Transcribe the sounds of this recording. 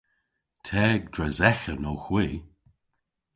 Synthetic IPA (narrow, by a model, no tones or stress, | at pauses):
tʰɛːɡ̚dɹɛzɛxənowxwiː